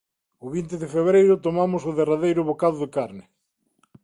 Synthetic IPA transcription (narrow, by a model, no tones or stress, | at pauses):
ʊβint̪ɪðɪfeβɾejɾʊt̪omamʊsʊðeraðejɾʊβokaðʊðɪkaɾnɪ